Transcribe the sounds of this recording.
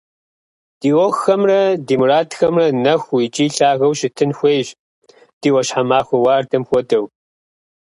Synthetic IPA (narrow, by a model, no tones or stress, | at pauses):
d̥iːwɔxːɐmrɐdiːmuraːtʰxɐmrɐnɐxʷit͡ʃʼiːɬaːɣɐwʃɪtʰɨnxʷejʒ | d̥iːwɐɕħamaːxʷɔwaːrdɐmxʷɔdɐw